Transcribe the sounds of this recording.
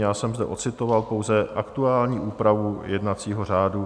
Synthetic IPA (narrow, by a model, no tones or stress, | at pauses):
jaːsɛmzdɛʔot͡sɪt̪o̞valpo̞wzɛʔakt̪uaːlɲiːʔuːpɾavujɛdnat͡siːɦor̝aːdu